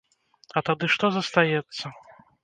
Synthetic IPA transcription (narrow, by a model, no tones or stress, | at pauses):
ɐt̪ad̪ɨʂt̪ɔzɐst̪ajɛt̪sːɐ